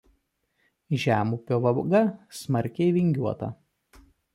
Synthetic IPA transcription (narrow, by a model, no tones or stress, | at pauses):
ʒʲæːmuːpʲoːʋɐɡɐsmɐɾʲkʲɛɪʋʲɪŋʲɡʲuɔt̪ɐ̰